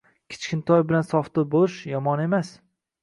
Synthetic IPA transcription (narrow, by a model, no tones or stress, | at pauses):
kʲʰɪ̥t͡ʃkʲɪnt̪ʰɒjbɪlansɒft̪ʊbolˠɪʃjɒmɒne̞mas